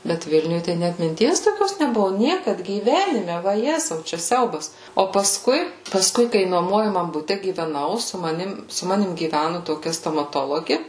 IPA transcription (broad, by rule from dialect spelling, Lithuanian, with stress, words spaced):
ˈbʲɛt ˈʋʲɪlʲnʲʊj tɐɪ ˈnʲæt mʲɪnʲˈtʲiɛs toːˈkʲoːs nʲɛˈbʊʋʊ ˈnʲiɛkɐt ɡʲiːˈʋʲæːnʲɪmʲɛ ʋɐˈjæːzɐʊ t͡ʃʲɛ ˈsʲɛʊbɐs oː pɐˈskʊɪ pɐˈskʊɪ kɐɪ nuɔˈmuɔjɛmɐm bʊˈtʲɛ ɡʲiːʋʲɛˈnɐʊ sʊ mɐˈnʲɪm sʊ ˈmɑːnʲɪm ɡʲiːˈʋʲænʊ toːˈkʲɛ stoːmɐˈtoːlˠoːɡʲɪ